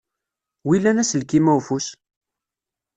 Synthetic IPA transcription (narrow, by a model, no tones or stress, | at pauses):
wilːænæsəlkimæwfus